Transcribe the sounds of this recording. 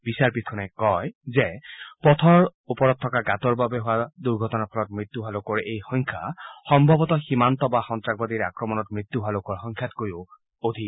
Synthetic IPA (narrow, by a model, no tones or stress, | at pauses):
bisaɹpitʰɔnɛkɔjzɛpɔt̪ʰɔɹupɔɹɔt̚tʰːɔkaɡatɔɹbabɛɦʊwaduɹɡʱɔtɔnapʰɔlɔt̚mɹit̪ːjuɦʊalokɔɹejxɔŋkʰa̰xɔmbʱɔbɔtɔximantɔbaxɔntɹaɡ̚badiɹa̰kɹɔmɔnɔtmɹit̪ːuɦalokɔɹxɔŋkʰjatkoɹiʊ | od̪ʱi